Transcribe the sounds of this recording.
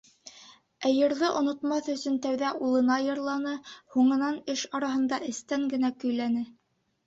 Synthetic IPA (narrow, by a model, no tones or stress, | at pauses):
æjɤ̆ɾðɤʔŏnŏt̪mɑθɵ̆sɵnt̪æwðæulˠɤ̆nɑjɤ̆ɾlˠɑnɤhuɴɤ̆nɑnɘʃɑɾɑɦɤ̆nd̪ɑʔɘ̆st̪æŋɡɘ̆nækɵ̆jlænɘ